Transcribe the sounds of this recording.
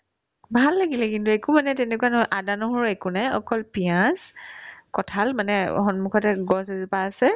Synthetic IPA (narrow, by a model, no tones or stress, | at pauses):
bʱalːaɡilɛkintuɛkʊmanɛtɛnɛkuwanɔɦɔjʔadanɔɦɔɹɛkunɛɔ̰kɔlpiãskɔtʰalmanɛ̰xɔnmukʰɔtɛɡɔsɛzipaːsɛ